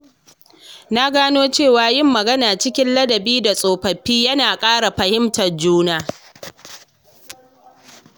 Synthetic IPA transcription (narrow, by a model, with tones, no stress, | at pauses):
na˦ɡaː˦noː˦t͡ʃeː˦˨waː˨jɪ˦˨mːɐ˨ɡɐ˦naː˨t͡ʃɪ˦kʲɪ˦nlɐ˦dɐ˨biː˦da˨sʼoː˨ɸɐ˨ɸiː˦jɐ˦naː˨kʼaː˦ɽa˨ɸɐ˨hɪ˦mtɐ˨rd͡ʒuː˦naː˨